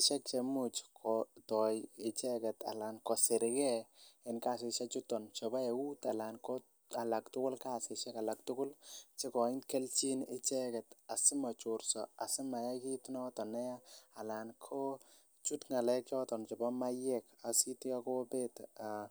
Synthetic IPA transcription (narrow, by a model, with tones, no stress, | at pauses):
ɪ˨t͡ʃɛ˦k̚t͡ʃɛ˨mu˨t͡ʃkʰɔtɔ˨jɪ˨t͡ʃɛ˦kɛ˨ta̰˨la˨nkɔ˨sɪ˨ɾɪ˨ɡɛ˦ɪ˨nka˦˨s̬ɪ˨ʃa˦t͡ʃʊ˦tːɔ˨nt͡ʃɔ˨ba˦ɛ˨wu˦ta˨la˨nkɔ˦ | a˨la˨ktʊ˦kʊ˦lka˦sɪ˨ʃɛ˦ka˨la˨ktʊ˦kʊ˦lt͡ʃɪ˦kɔ˨ɪ˦nkɛ˦lt͡ʃi˦nɪ˦t͡ʃɛ˦kɛ˨ta˨sɪ˦ma˨t͡ʃʊ˨ɾsɔ˨a˨sɪ˦ma˨ja˦ki˦tnɔ˦tɔ˨nɛ˦jaː˦˨la˨nkʰɔ˦ | t͡ʃu˦tŋa˨lɛ˦kɔ˦tɔ˨nt͡ʃɔ˨ba˦ma˦jɛ˦ka˨si˦tɪ˦a˦kɔ˦be˦ta